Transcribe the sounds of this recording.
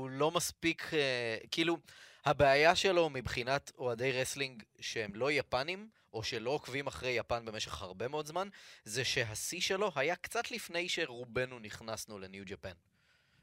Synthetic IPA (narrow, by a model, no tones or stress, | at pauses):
ulo̞maspikʰekiiːluhabeajaʃe̞lo̞mibχinat̪oade̞jʁesliŋɡʃehemlo̞japanim | ʔo̞ʃe̞lo̞okvimaχʁejːapanbe̞me̞ʃe̞χhaʁbe̞meo̞dzmanzeʃe̞ɦasiʃe̞lo̞ɦajakt͡sat̪lifne̞jʃe̞ʁube̞nuniχnasnule̞njud͡ʒapan